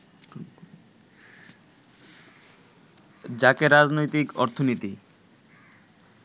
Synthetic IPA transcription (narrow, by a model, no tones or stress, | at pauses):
d͡ʑakeɾad͡ʑnojt̪ikɔ̰ɾt̪ʰonit̪i